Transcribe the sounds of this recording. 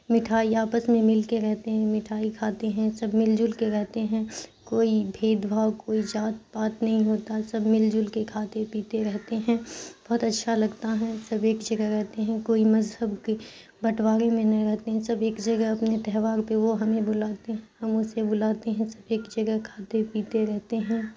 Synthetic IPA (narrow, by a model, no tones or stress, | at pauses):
mɪʈʰaːiaːpəsmẽmɪlkeɾɛɦt̪eɦɛ̃mɪʈʰaːikʰaːt̪eɦɛ̃sɐbmɪld͡ʒʊlkeɾɛɦt̪eɦɛ̃koːibʱeːd̪bʱaːwkoːid͡ʒaːt̪̚paːt̪nɐɦĩɦoːt̪asɐbmɪld͡ʒʊlkekʰaːt̪epiːt̪eɾɛɦt̪eɦɛ̃b̥ɔɦt̪ɐtːʃʰalɐɡt̪aɦɛ̃sɐbeːkd͡ʒɐɡəɦɾɛɦt̪eɦɛ̃koːimɐzɦəbke | bʱɐʈwaːɾẽmẽnɐ̃ɾɛɦt̪eɦɛ̃sɐbeːkd͡ʒɐɡəɦɐpnet̪ɛɦʋaːɾpeʋoɦɐmẽbʊlaːt̪eɦɛ̃ɦɐmʊsebʊlaːt̪eɦɛ̃sɐ̥beːkd͡ʒɐɡəkʰaːt̪epiːt̪eɾɛɦt̪eɦɛ̃ː